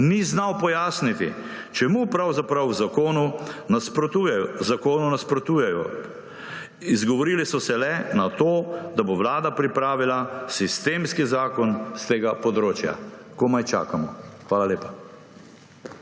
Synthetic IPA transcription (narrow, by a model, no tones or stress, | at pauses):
niznawpɔjaːsnit̪ḭ | t͡ʃɛmupɾawzapɾawzakoːnunaspɾɔt̪ujɛjɔzakoːnunaspɾɔt̪uːjɛjɔ̰ | izɡɔʋɔɾilisɔsɛlɛnat̪oːd̪aboʋlaːd̪apɾipɾaːʋilasist̪eːmskizaːkɔnst̪eːɡapɔd̪ɾoːt͡ʃja̰ | komajt͡ʃa̰ːkamɔxʋaːlaleːpḁ